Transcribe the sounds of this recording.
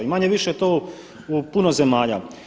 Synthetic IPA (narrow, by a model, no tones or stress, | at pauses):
imaɲeʋiʃejet̪ou | upunoze̞maːʎa̰